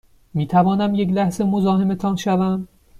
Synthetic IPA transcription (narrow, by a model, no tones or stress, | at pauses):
miːt̪ʰævɒːnæmjeclæhze̞mo̞zɒːhe̞me̞t̪ʰɒːnʃævæm